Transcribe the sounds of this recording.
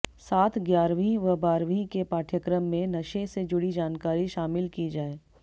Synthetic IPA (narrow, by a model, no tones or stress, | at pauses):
saːt̪ʰɡjaːɾʋĩʋɐbaːɾʋĩkepaːʈʰjəkɾəmːẽnɐʃẽsed͡ʒʊɽid͡ʒaːnkaːɾiʃaːmɪlkid͡ʒaːeː